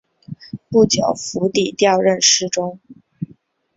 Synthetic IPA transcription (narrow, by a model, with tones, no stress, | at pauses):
pu˥˩t͡ɕjo˨˩ʊfu˧˥t̪i˨˩t̪jɑ˥˧ʊɻə˥˧nʂɻ̩˥ʈ͡ʂʊ˥ŋ